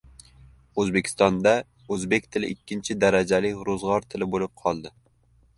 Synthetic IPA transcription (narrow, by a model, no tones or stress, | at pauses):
ɵzbe̞kʲʰɪst̪ɒnd̪a | ɵzbe̞kʲt̪ʰɪlɪʔɪkʲʰːɪnt͡ʃʰɪd̪aɾad͡ʒalɪɾozʁɒɾt̪ʰɪlɪbolɪp̚qʰɒlˠd̪ɪ